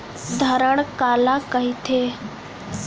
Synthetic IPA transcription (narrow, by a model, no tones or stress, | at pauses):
d̪ʱəɾəɽ̃kaːlakəɦit̪ʰeː